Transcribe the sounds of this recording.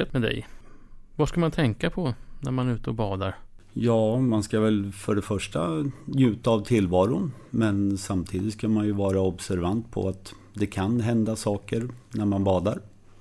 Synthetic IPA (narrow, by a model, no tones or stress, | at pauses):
et̪mɛd̪ɛ̰j | vaskamant̪ʰɛŋkapʰɔnæɾmanɾʉ̟ːt̪əɔbɑːd̪aɾ | jɑːmanskavɛlfœɖɛfœʂʈanjʉ̟ːt̪aːvt̪ʰɪlːvɑːɾʊ | mɛnsamt̪ʰiːd̪ɪt̪skamanjɵvɑːɾaɔbsæɾvant̪pʰɔ̰at̪ | d̪ɛkʰanɦɛnd̪asɑːkəɾnæɾmanbɑːd̪aɾ